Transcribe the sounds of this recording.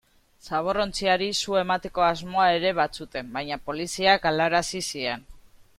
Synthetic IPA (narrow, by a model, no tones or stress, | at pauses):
saβ̞o̞ro̞nt͡siaɾisue̞mat̪e̞ko̞azmo̞ae̞ɾe̞βat͡sut̪e̞mbajɲapo̞lisiakalaɾasisie̞n